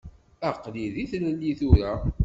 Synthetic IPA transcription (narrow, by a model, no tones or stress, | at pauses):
əqːliðiθləlːiθʊɾa